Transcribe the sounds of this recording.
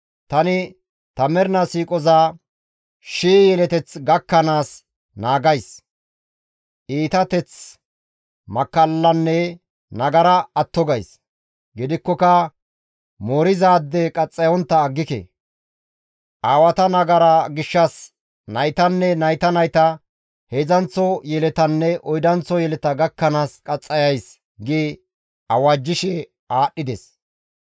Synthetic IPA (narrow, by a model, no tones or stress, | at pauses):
t̪ɐnɪ | t̪ɐmɛɾnɐsiːkʼɔzaː | ʃiːjɛlɛt̪ɛt͡sɡɐkːɐnaːs | naːɡɐjs | ʔiːt̪ɐt̪ɛt͡s | mɐkːɐlːɐnːɛ | nɐɡɐɾɐːt̪ːɔɡɐjs | ɡɪd̪ɪkːɔkɐ | moːɾɪzaːd̪ːɛkʼɐt͡sʼːɐjɔnt̪ːɐːɡːɪkɛ̰ | ʔaːwɐt̪ɐnɐɡɐɾaɡɪʃːɐs | nɐjt̪ɐnːɛnɐjt̪ɐnɐjt̪ɐ | heːzɐnt͡sːɔjɛlɛt̪ɐnːɛʔɔjd̪ɐnt͡sːɔjɛlɛt̪ɐɡɐkːɐnaːskʼɐt͡sʼːɐjɐjs | ɡɪ | ɐwaːd͡ʒːɪʃɛ | aːɗːɪd̪ɛs